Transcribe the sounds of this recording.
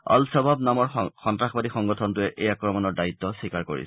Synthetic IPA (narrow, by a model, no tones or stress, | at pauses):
ɔ̰lsɔbʱabnamɔɹxɔntɹaxbadixɔŋɡɔtʰɔntʊɛʔʔejakɹɔmanɔɹdait̪ːɔsikaɹko̰ɹḭs